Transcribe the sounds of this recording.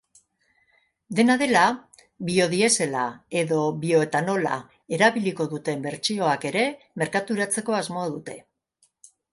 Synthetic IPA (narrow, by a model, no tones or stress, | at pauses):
d̪e̞naðe̞la | βio̞ðie̞se̞lae̞ðo̞βio̞e̞t̪ano̞la̰ | e̞ɾaβiliko̞ðut̪e̞mbe̞ɾt͡ʃio̞ake̞ɾe̞ | me̞ɾkat̪uɾat͡se̞ko̞azmo̞aðut̪e̞